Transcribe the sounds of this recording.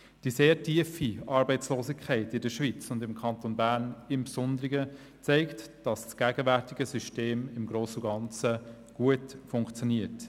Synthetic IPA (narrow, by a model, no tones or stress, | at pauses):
d̥iseːɾtʰiəfiʔɑːɾbɛɪt͡sloːsɪkʰːɛɪtɪdəʃʋit͡sʊndɪmkʰɑntonbæɾnɪmpsɔndəɾɪɡə | t͡sɛɪktd̥ɑssɡ̥æɡəvæɾtiɡəsyʃteːmɪmɡɾoːsuɡɑnt͡sə | ɡ̥uətfʊŋkt͡sjoniət